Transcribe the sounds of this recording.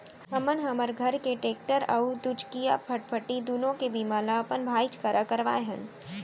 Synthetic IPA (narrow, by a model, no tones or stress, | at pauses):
ɦɐmənɦɐməɾɡʱɐɾkeʈeːk̚ʈəɾɐd̪ʊd͡ʒkija̰pʰəʈ̚pʰəʈid̪unõkebimaːlaɐpənbʱaːit͡ʃkəɾʔakəɾʋa̰ːeɦə̃n